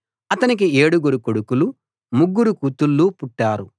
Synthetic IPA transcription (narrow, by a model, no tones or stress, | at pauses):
ɐt̪ɐnik̬ie̞ːɽuɡuɾukoɽukulu | muɡːuɾukut̪ulːupuʈːaːɾu